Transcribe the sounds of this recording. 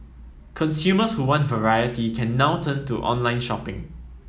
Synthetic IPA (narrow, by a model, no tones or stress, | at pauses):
kʰɔ̃nsjuməshuwãntvəɹajətikʰɛ̃nːaʊtʰə̃ntuʔɔ̰̃nlãɪ̃nʃɔpɪ̰̃ŋ